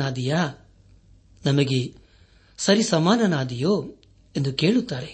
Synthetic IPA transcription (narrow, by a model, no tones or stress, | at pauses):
aːd̪ijaː | nɐmɐɡe̞ | sɐɾisɐmaːnɐnaːd̪ijoː | end̪uke̞ːɭut̪ːaːɾe